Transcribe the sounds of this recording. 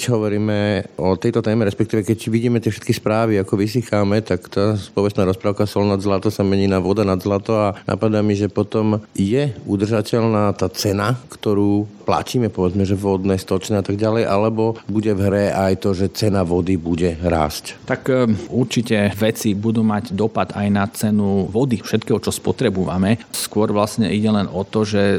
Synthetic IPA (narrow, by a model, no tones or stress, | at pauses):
kcɦɔʋɔɾiːmɛɔt̪ɛjt̪ɔt̪ɛːmɛɾɛspɛkt̪iːʋɛkɛcʋiɟiːmɛt̪ɪɛfʃɛ̥t̪kispɾaːʋiakɔʋis̬ixamɛt̪akt̪aːspɔʋɛst̪naːɾɔspɾaʊkasɔlnad̪zlat̪ɔsamɛɲiːnaʋɔd̪anad̪zlat̪ɔanʔa̰pad̪amiʒɛpɔt̪ɔmjɛud̪r̩ʒacɛʎnaːt̪aːt͡sɛnakt̪ɔɾuːpla̰ciːmɛpɔʋɛd͡zmɛʒɛvʋɔd̪nɛːst̪ɔt͡ʃnɛat̪aɡɟalɛjʔalɛbɔbuɟɛvɦɾɛajt̪ɔʒɛt͡sɛnaʋɔd̪ibuɟɛɾa̰ːsct̪akuɾt͡ʃicɛʋɛt͡sibud̪uːmaɟd̪ɔpad̪ajnat͡sɛnuʋɔd̪ifʃɛt̪kɛːɦɔt͡ʃɔspɔt̪ɾɛbuʋa̰mɛskʊɔɾʋlasɲɛ̰ʔiɟɛlɛnɔt̪ɔʒɛ